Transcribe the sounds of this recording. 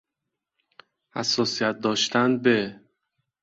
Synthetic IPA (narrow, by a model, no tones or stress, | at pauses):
hæ̰sːɒːsijæt̪̚d̪ɒːʃt̪ʰænbe